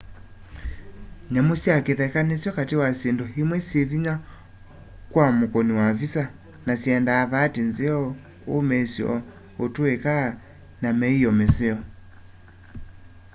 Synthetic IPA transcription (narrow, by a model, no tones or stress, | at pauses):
ɲamusiakeðɛkanɛsjɔkatewasendɔhimwɛsieviɲa | kwamukɔniwavisa | nasiɛndaːβaːtinzeɔ | omɛsjɔ̰ | otuɛka | namɛijɔmɛseɔ